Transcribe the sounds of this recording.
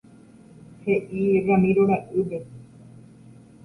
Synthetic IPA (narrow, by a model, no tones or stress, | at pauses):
heʔiramĩɾoɽaʔube